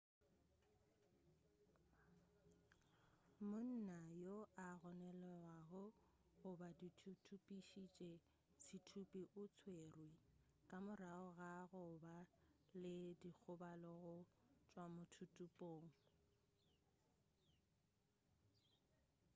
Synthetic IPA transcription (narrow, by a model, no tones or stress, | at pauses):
mʊn̩najoaɣɔnɛlɔwaɣʊ | ɣʊbaditʰutʰupʼiʃit͡ʃʼe | sʰitʰupʼiʔʊt͡sʰweːrwi | kʼamʊraʊɣaɣʊbalɪdik͡xʰʊbalɔɣʊt͡ʃʼwamʊtʰutʼupʼoːŋ̩